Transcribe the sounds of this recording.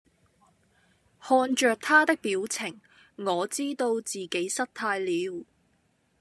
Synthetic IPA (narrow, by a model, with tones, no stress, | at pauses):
hɔː˧nt͡ʃœː˨˧k̚t̪ʰaː˥t̪ɪ˥k̚piː˨˥wt͡sʰɪ˨˩ŋ | ŋɔː˨˧t͡siː˥t̪o˧wt͡siː˨ke˨˥jsɐ˥t̚t̪ʰaː˧jliː˨˧˥w